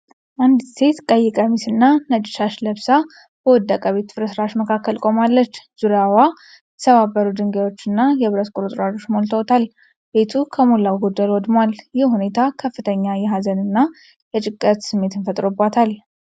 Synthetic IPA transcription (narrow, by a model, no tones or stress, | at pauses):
ʔand̪se̞t̪kʼəjːɪkʼamisɨnːanəd͡ʒʼɪʃaʃləβsa | b̥əwɔd̪ːakʼaβet̪fɨɾəsɾaʃməkʰakːəlkʼo̞malːət͡ʃːz̥uɾawa | jɛt̪ʰəβabəɾud̪ɨŋɡewo̞t͡ʃːɨnːajɛβɾət̪kʼuɾut̪ʼɾad͡ʒo̞t͡ʃːmolt̪ʰəwt̪ʰal | b̥e̞t̪ʰukʰəmulːawɡud̪ːajwɔd̪mwaljɪhhune̞t̪ʰakʰəfːɨt̪ʰəɲːajɛɦazənɨnːa | jɛt͡ʃʼɪkʼːət̪sɨmːe̞t̪ɨnfət̪ʼɾobat̪ʰal